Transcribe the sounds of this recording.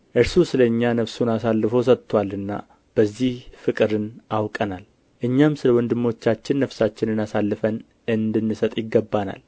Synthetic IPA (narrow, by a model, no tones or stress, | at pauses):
ʔɨɾsusɨləɨɲːanəfsunasalːɨfos̬ət̪ːwalɨnːa̰ | b̥əzːihfɨkʼɨɾɨnawkʼənal | ʔɨɲːamsɨləwɔnd̪ɨmːo̞t͡ʃːat͡ʃːɪnːəfsat͡ʃːɪnɨnasalːɨfən | ɨnd̪ɨnːɨsət̪ʼjɪɡːəbːana̰l